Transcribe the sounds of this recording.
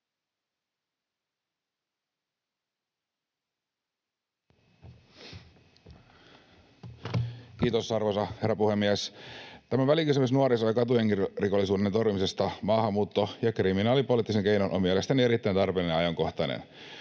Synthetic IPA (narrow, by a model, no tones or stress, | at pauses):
kiːt̪osːɑrʋosɑherːɑpuhe̞mːiæst̪æmæʋælikysymysnuoɾisojɑkɑt̪ujeŋkiriko̞lːisuːdent̪orʋimisest̪ɑmɑːɦhɑmːuːt̪ːojɑkriminɑːlipoliˑt̪ːiseŋkejnonʔomiælest̪ænie̞ɾit̪ːæjnt̪ɑrpelinenɑjɑŋko̞ht̪ɑnḛn